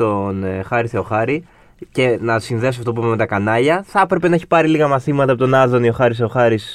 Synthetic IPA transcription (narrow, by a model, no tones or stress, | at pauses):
onxɐɾiseo̞xɐɾi | ce̞nɐsinðesoɐft̪o̞puimeme̞t̪ɐkɐnɐʎɐθɐpɾe̞pe̞nɐe̞çi̥pɐɾiliɣɐmɐθimɐt̪ɐpo̞t̪o̞nɐðonio̞xɐɾiseoxɐɾis